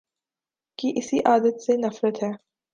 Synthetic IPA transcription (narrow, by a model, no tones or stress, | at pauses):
kiʔɪsiʔaːd̪ət̪senɐfɾət̪ɦɛː